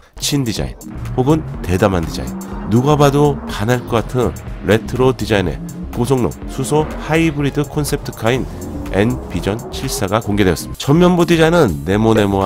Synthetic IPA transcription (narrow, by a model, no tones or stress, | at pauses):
t͡ɕʰindid͡ʑa̰ḭnhoɡɯnte̞damandid͡ʑa̰ḭnːuɡabadopanaɭk͈ʌk͈atʰɯnɾe̞tʰɯɾodid͡ʑaine̞̰ | kosʰoŋno̰ | sʰusʰohaibɯɾidɯkʰonsʰe̞p̚tʰɯ̥kʰain | e̞̰npid͡ʑʌnt͡ɕʰiɭs͈aɡakoŋɡe̞dweʌs͈ɯmidat͡ɕʌmːjʌnbudid͡ʑainɯnːe̞mone̞moa